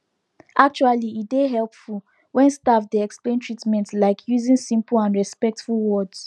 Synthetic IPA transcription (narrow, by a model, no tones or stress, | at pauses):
ʔak̚t͡ʃualiideɦɛlpful | wɛ̃nstafdiɛksplẽntʰɹitmɛ̃ntlaɪkʰjuzĩnsĩmplãnɹɛspɛk̚tfulwɔds